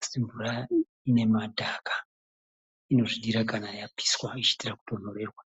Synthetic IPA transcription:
siɱvura | ine̞madʱakḁ | ino̞ʐiɗiɾakanajapʰi̥swait͡ʃi̥tiraku̥tonore̞ːrwa

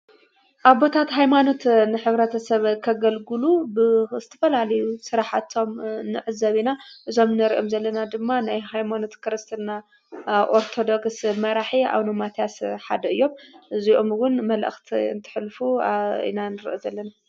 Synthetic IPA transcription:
ʔaβbo̞t̪ʰat̪ɦajmano̞t̪nɨħɨβɾɐt̪ʰɐsɐβkʰɐɡɐlɡɨlubɨzɨt̪ʰɐ̥fɐlalɐjusɨɾaħat̪ʰo̞mnɨʕɨzɐβinaʔɨzo̞mnɨɾiʔomzɐlːɐnad̪ɨmːanajhajmano̞t̪kɨɾɨst̪ʰɨna | ʔoɾt̪ʰo̞d̪o̞ksmɐɾaħia̰βnomat̪ʰiasħa̰d̪ɐɨjːo̞mʔɨziʔomwʊnmɐlʔɨ̰xt̪ʰiɨ̰nt̪ʰɨ̥ħlfuḭnanɨɾiʔozɐlːɐna

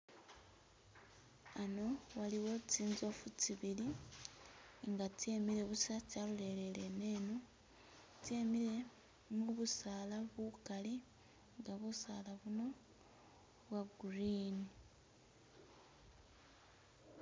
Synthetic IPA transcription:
ano̞waliwo̞t͡siːnzofut͡siβili | ŋɡate̞mile̞βusacalule̞lele̞ne̞no | te̞ːmile̞ | muβusaːlaβukali | ŋɡaβusaːlaβuno̞ | βwaɡuɾiːni

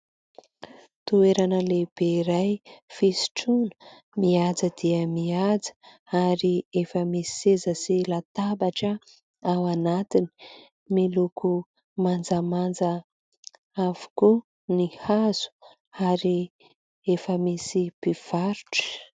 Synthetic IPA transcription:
t̪ueɾanəleb̥eiɾajfisi̥ʈ͡ʂunə̥ | miad͡zəd̪iəmiad͡zə̥ | aɾiefəmissezəsilat̪abaʈ͡ʂə | awanat̪ini̥ | miluku | mand͡zəmand͡zə | av̥u̥ku | nihaz̥u̥ | aɾi | efəmisipiv̥aɾuʈ͡ʂə̥

